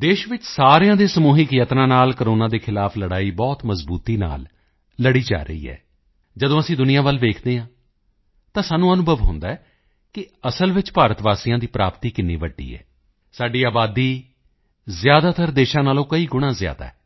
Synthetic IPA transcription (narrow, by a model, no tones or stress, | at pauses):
d̪eːʃʋɪt͡ʃsaːɾejãːd̪eːsəmuːɦɪkjət̪nãːnaːlkəɾoːnãːd̪eːkʰɪlaːpʰləɽaːiːbɔːt̪məzbuːt̪iːna̰ːl | ləɽiːd͡ʒa̰ːɾə̰ḭːɛ̰ː | d͡ʒəd̪õːəsĩːd̪ʊnɪjãːʋəlʋeːkʰd̪eːɦãː | t̪ãːsaːnːũːənʊbʱəʋɦʊ̰̃nd̪aːɛː | kɪəsəlʋɪt͡ʃpaːɾət̪ʋaːsijãːd̪iːpɾaːpt̪iːkɪnḭːʋəɖːḭːɛ̰ː | saːɖiːaːbaːd̪iː | zjaːd̪aːt̪ʰəɾd̪eːʃãːnaːlõːkəiːɡʊɽ̃ãːzɪja̰ːd̪a̰ːɛ